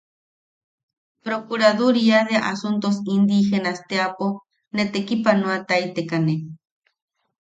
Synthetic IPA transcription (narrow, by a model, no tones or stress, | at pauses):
pɾokuɾaðuɾiaðeaʔasunt̪os̬ind̪ixenast̪eapo | net̪ekipanũat̪ajt̪ekane